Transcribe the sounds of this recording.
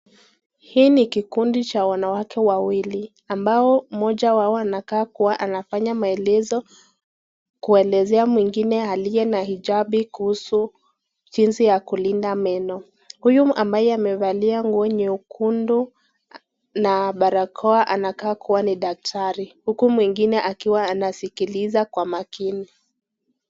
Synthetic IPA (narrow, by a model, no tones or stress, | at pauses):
hiːnikikundit͡ʃawanawakʰɛwawili | ambaɔm̩mɔʄawaɔanakaːkuwaʔanafaɲamaɛlɛzɔ | kuɛlɛzɛamwiŋɡinɛalijɛnahiʄaɓikuhusu | ʄinsijakulindamɛnɔ | hujumʔambajɛamɛvaliaŋɡuɔɲɛukundu | naɓaɾakʰɔaʔanakaːkuwaniɗak̚tʰaɾihukumwiŋɡinɛʔakiwaːnasikilizakwamakini